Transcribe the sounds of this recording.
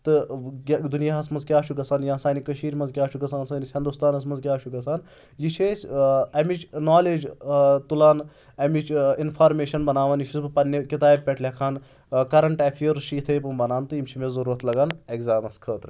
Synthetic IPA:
t̪ɨ | d̪unijaːɦɐsmɐnzkʲaːʃʰukɐsaːnjasaːnikɐʃiːɾmɐnzkʲaːt͡ʃʰukɐsaːnsaːnisʲhind̪ust̪aːnɐs̬mɐnzkʲaːʃʰukɐsaːn | jit͡ʃʰeːsʲɐmit͡ʃnaːleːd͡ʒt̪ulaːn | ɐmit͡ʃinpʰaːɾmeːʃɐnbɐnaːʋaːnjit͡ʃʰisbɨpɐnːɐkit̪aːb̚ʲpʲeʈʰlʲekʰaːn | kɐɾɐɳʈaːfʰijɐɾʃiːt̪ʰɐːjpɨmbɐnaːnt̪ɨimʲt͡ʃʰimezɐɾuːɾɐt̪lɐɡaːneɡzaːmɐskʰəːt̪ɾɨ

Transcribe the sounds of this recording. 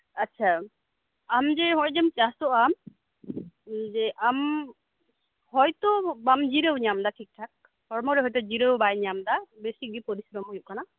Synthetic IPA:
atːt͡ʃʰa | amd͡ʒɛɦɔjd͡ʒəmt͡ʃasɔʔam | d͡ʒɛʔam | hɔjt̪ɔbamd͡ʒiɾəwɲamd̪aʈʰik̚ʈʰak̚ | hɔɾmɔɾɛɦɔjt̪ɔd͡ʒiɾəwbajɲamd̪abesik̚bipɔɾisɾɔmɦujuʔ̚kʰana

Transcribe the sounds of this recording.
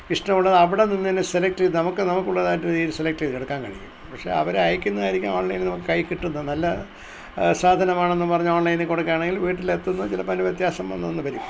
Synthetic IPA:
iʂʈɐmuɭːɐðɐʋiɽe̞ninːenːɨselek̚ʈinɐmukːɨnɐmukːuɭːɐðaːjtːɨiːɾɨselek̚ʈiðkeɽɐkːaːnkɐ̰ɻikʲːumpɐkʂe̞̰ɐ̰ʋɐɾeɐjɐkʲːunːɐðaːjiɾikʲːa̰oːɳlɐjnnɐmukːɨkɐjkiʈːunːɐnɐlːɐ | saːd̪ʱɐnɐmaːɳe̞nːupɐrɐɲːuoːɳlɐjnkoɽɐkːeaːɳe̞ŋɡilʋiːʈ̬ːile̞t̪ːunːɐt͡ɕilɐpɐnuʋjet̪jaːsɐmɐnːɐnːɨpɐɾi

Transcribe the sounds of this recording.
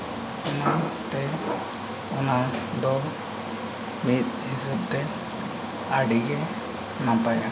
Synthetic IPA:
ɔnat̪ɛ | ɔnad̪ɔ | mit̪̚hisəp̚t̪ɛ | aɖiɡɛ | nãpaja

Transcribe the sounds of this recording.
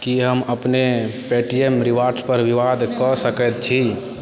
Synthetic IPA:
kiɦəməpnepeʈiemɾiʋaɾspəɾʋiʋad̪ʱkəsəkɛt̪̚t͡ʃʰi

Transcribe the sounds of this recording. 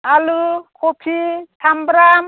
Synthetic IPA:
alukʰopʰitʰambɾam

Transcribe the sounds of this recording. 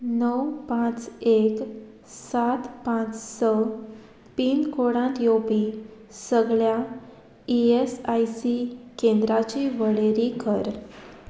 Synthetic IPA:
nəwpãt͡sek | sat̪pãt͡ssɔ | piːnkoɽãnt̪jopi | səɡɭja | iesajsikẽnd̪ɾat͡ɕiʋəɭeɾikəɾ

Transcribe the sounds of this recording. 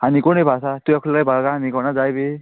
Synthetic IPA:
hanikɔnejbʱasat̪uakʰulajbʱalɡaɦanikɔnazajbe

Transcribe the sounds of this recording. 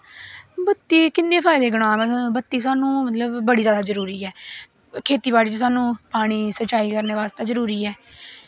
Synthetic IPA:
bət̪ːiːkɪnːẽːpʰaːɪd̪eːɡʊɽ̃ãːmɛ̃bət̪ːiːs̬aːnũːmət̪ləbːəɽiːd͡ʒjaːd̪aːzəɾuːɾiːɛː | kʰeːt̪iːbaːɽiːt͡ʃsaːnũːpaːɽ̃iːsət͡ʃaːiːkəɾneːʋaːst̪eːzəɾuːɾiːɛː

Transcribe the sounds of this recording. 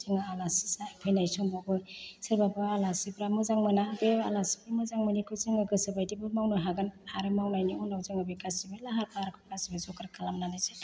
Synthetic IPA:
ziŋaalasi̥sapʰɯjnajsɔŋbabɯsɯɾbabɯalasipɾamɯzaŋmɯnabea̰lasi̥bɾamɯzaŋmɯnikʰɯzɯŋɯɡɯsɯbajdibɯmawnɯɦaɡɯnaɾɯmawnajniɔnawzɯŋɯbikasibelaɦaɾpʰaɾkʰɯkasibezɔkɾakʰalamnanajse

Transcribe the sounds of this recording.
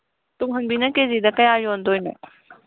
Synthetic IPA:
tuŋɦɐŋbinɐkezidɐkɐjajondojno̰

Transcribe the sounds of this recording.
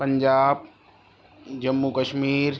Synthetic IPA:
pɐ̃ɲd͡ʒaːb̚ | d͡ʒɐmːukəʃmiːɾ

